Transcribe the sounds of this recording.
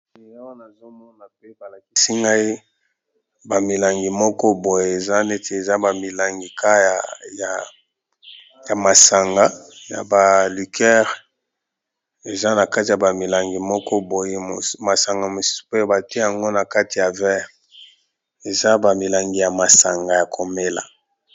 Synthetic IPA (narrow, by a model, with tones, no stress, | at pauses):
e˨ja˦wa˦na˨zo˦mɔ˦na˨pɛ˦ba˨la˨ki˨si˦ŋɡa˦i˦ | ba˨mi˨la˨ŋɡi˨mɔ˦kɔ˦bo˨je˨e˨za˦ne˦tʰe˨e˨za˦ba˨mi˨la˨ŋɡi˨ka˦jja˨ | ja˨ma˨sa˨ŋɡa˨ja̰˨ba˨li˨kʰɛ˦ʁ | e˨za˦na˨ka˦ti˨ja˨ba˨mi˨la˨ŋɡi˨mɔ˦kɔ˦bo˨je˦o˨ma˨sa˨ŋɡa˨mo˨si̥˦so̥˦pe˦ba˨ti˦e˦ja˨ŋɡo˦na˨ka˦ti˨ja˨vɛ˦ʁ | e˨za˦ba˨mi˨la˨ŋɡi˨ja˨ma˨sa˨ŋɡa˨ja˨kʰo˨me˦la̰˨